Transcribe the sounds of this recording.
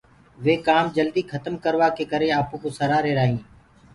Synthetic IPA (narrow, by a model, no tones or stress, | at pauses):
ʋeːkaːmd͡ʒəld̪iːkʰət̪əmkəɾʋaːkeːkəɾeːaːpũːkoːsəɾaːɾeːɾaːɦĩː